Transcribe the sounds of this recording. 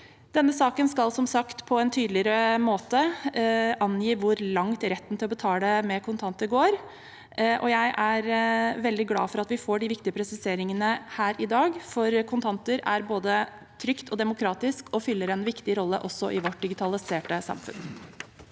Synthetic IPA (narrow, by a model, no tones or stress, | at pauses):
d̪̥ɛnːəsɑːkənskɑlsɔmsɑkt̪pʰɔɛnt̪ʰyːd̪lɪəɾəmoːt̪ə | ʔɑnjiːʋʊɾlɑŋt̪ɾɛt̪ːn̩t̪ʰɪlɔbət̪ʰɑːd̪ɛmɛkʰʊnt̪ʰɑnt̪əɡoːɾ | ʔɔ̰jæɪʔæɾʋɛld̪ɪɡlɑ̰ːfɔɾɑt̪ʋɪfoːɖɪʋɪkt̪ɪəpʰɾɛsɪseːɾɪŋənəhæːɾʔɪd̪ɑːɡfɔɾkʰʊnt̪ʰɑnt̪əɾæ̰ɾboːd̪ə | t̪ʰɾʏkt̪ʰɔd̪ɛmʊkʰɾɑːt̪ɪskɔfʏlːəɾɛnʋɪkt̪ɪɾɔlːəʔɔsːɔʔɪʋɔʈ̚d̪ɪɡɪt̪ʰɑlɪseːʈəsɑ̰mfʉ̰n